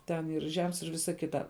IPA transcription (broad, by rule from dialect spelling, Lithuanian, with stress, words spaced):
ˈtʲɛn ɪr ˈʒʲɛms ɪr ˈʋʲɪsɐ ˈkʲɪtɐ